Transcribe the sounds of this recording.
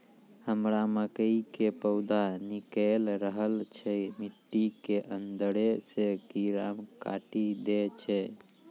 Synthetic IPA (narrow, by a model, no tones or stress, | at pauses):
həmɾaməkəikepəʊd̪anikəlɾəɦəlt͡ʃʰɛmiʈːikeʔənd̪əɾesekiɾamka̰ʈid̪et͡ʃʰɛ